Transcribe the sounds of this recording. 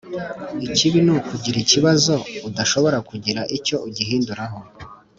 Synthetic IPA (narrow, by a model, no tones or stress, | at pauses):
iciβinukuɟiɾiciβazo̞udaʃo̞βo̞ɾakuɟiɾaʔico̞uɟiɦiːnduɾaɦo̞